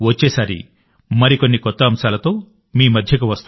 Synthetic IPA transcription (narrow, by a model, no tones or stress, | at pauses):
ʋot͡ʃːeːsaːɾḭ | mɐɾikonːikɔt̪ːɐɐmsaːlɐt̪oː | miːmɐd̪ʱjɐkuʋɐst̪u